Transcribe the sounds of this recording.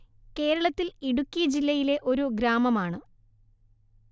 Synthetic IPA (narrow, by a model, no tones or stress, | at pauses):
ke̞ːɾɐɭɐt̪ːiliɽukʲːijɐd͡ʑilːɐjile̞ʔo̞ɾuɡɾaːmɐmaːɳɨ